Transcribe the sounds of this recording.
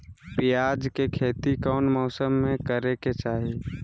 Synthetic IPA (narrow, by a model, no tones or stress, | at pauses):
pɪjaːd͡ʒkekʰeːt̪ikɔːnmɔːsəmːẽkəɾeket͡ʃaːɦi